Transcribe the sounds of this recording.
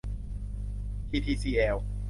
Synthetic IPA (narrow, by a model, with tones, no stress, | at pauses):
pʰiː˧t̪ʰiː˧˩siː˧ʔɛː˧˩w